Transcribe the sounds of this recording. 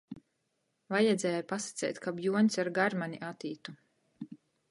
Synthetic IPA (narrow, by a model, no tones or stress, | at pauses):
vajɛd̪zʲɛːjupasḁt̪sɛ̰jt̪ʲkabjuɔnʲsaɾɡaɾmanʲiʔat̪iːt̪u